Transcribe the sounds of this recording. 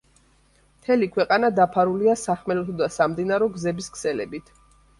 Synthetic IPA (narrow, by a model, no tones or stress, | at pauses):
mt̪ʰɛlikʰwɛqʼanad̪apʰaɾuliasaχmɛlɔt̪ʰɔd̪asamd̪inaɾɔɡzɛbiskʰsɛlɛ̰bit̪ʰ